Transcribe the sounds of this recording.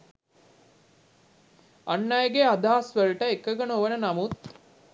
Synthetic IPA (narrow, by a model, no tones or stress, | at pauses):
anːajɡead̪aːsʋəlʈəekəɡənoʋənənamut̪